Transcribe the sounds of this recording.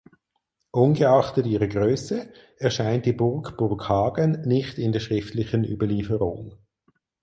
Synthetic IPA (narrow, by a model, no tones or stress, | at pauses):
ʔʊnɡəɑχtətiːʁəɡʁøːsə | ɛɐʃaɪnt̚d̥iːbʊʁkb̥ʊʁkhɑːɡənːɪxtɪndɛɐʃʁɪftlɪçəny̰bɐliːfəʁʊ̰ŋ